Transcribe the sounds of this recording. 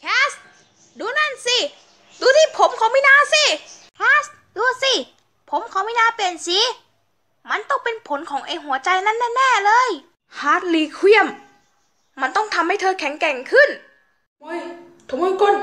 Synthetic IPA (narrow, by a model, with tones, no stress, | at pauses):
kʰɛː˦˥st̪̚ | duː˧na˧˥˩nsi˧˩ | duː˧t̪ʰiː˧˥˩pʰo˨˦mkʰa˨˩˦wmiː˧˥˨naː˧˥˨si˧˥ | kʰɛː˦˥s | duː˧si˧˩ | pʰo˨˦mkʰa˨˦wmiː˧˥˨naː˧˥pe˧˩ənsi˧˦ | ma˧˥˨nt̪ɔ˧˥˩ŋpe˧npʰo˨˦nkʰɔː˨˦ŋʔa˧jɦu˩˦ɐt͡ɕa˧jna˧˥˩nːɛː˧˥˨nːɛː˥˩lɤː˧˥˨j | haː˨˦˩t̪̚liː˧˩kʰːwi˧˩əmː | a˧˥nt̪ɔ˥˩ŋt̪ʰa˧mha˥˩jt̪ʰɤː˧kʰɛ˨˦ŋkɛ˨˩˦ŋkʰɯ˥˩n | o˧˥˨j | t̪ʰo˨˧˦moː˧˥˨ko˧˩˨n